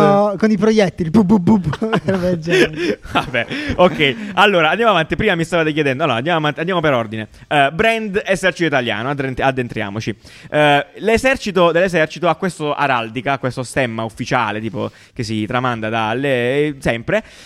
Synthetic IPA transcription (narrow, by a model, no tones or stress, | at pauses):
konipɾojɛt̪ːibubːububuvɛd͡ʒɛvabɛokːɛjalːoːɾaːnd̪jamavant̪ipɾiːmamist̪aːvad̪ekjed̪ɛnd̪oalːoa̰nd̪jamoavant̪iand̪jamopeɾord̪ine | bɾɛnd̪ezɛrt͡ʃit̪oit̪alja̰ːnoad̪enad̪ːent̪ɾja̰ːmot͡ʃi | lezɛrt͡ʃit̪od̪elːezɛrt͡ʃit̪oakːwest̪oʔa̰ɾald̪ikaːkwest̪ost̪ɛmːaufːit͡ʃa̰ːlet̪iːpo̰ | k̟esːit̪ɾamand̪ad̪alːesɛmpɾe